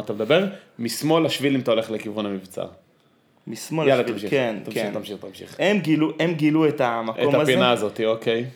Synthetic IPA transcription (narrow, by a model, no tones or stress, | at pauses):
at̪amd̪abe̞ʁmismo̞laʃvilimt̪aole̞χlekivʁonamivt͡sa̰ | mismoljalaamʃikentamkʃiχt̪amʃiχt̪amʃḭχemɡiluemɡiluet̪amɐʔkotamazpinaːzo̞t̪iokej